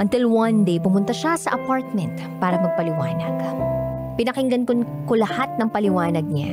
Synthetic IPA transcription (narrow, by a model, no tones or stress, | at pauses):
ʔɐnt̪ɪlwɐnd̪ejpʊmʊnt̪ɐʃasɐʔɐpaɹt̪̚mɛnt̪ | paːɾɐŋmɐɡ̚pɐlɪwa̰ːnɐ̰ɡ̥ | pɪnɐkɪŋɡɐnkon | kolɐhat̪̚nɐŋpɐlɪwaːnɐɡ̚ɲa̰